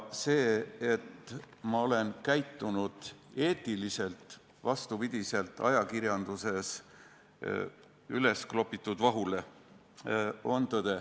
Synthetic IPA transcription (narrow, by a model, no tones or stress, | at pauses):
se̞ːet̪ | mɑo̞le̞nkæjt̪ːˑunud̪̥e̞ːt̪ːˑilise̞lt̪ˑ | vɑst̪upid̪̥ʲise̞lt̪ːˑɑ̰jɑkirjɑnd̪use̞s | yle̞sklo̞pːit̪ːˑud̪̥vɑɦule̞ | o̞nt̪ɤd̪̥e